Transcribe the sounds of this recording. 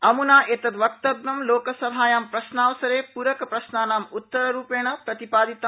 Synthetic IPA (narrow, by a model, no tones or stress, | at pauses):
ɐmunaːʔet̪ɐt̪ʋɐk̚t̪ɐd̪nɐmloːkɐsɐbʱaːjaːmpɾɐʃnaːʋɐsɐɾeːpuɾɐkɐpɾɐʃnaːnaːmut̪ːɐɾɐɾuːpeːɳɐpɾɐt̪ipaːd̪it̪a